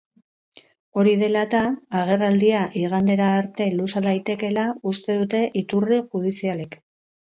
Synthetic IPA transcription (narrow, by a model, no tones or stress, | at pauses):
o̞ɾiðe̞lat̪aːɣ̞e̞rald̪iaʔiɣ̞and̪e̞ɾaːɾt̪e̞lusald̪ajt̪e̞ke̞laust̪e̞ðut̪e̞ʔit̪uriʝuðisiale̞k